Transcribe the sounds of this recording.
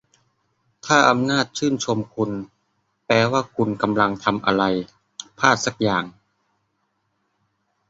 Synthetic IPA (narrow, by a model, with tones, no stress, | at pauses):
t̪ʰaː˥˩ʔa˧mnaː˥˩t̪̚t͡ɕʰɯː˥˩nt͡ɕʰo˧mkʰu˧n | plɛː˧waː˥˩kʰu˧nka˧mla˧ŋt̪ʰa˧mʔa̰˧ɾa˧j | pʰaː˥˩t̪̚sa˦˩k̚jaː˨˩ŋ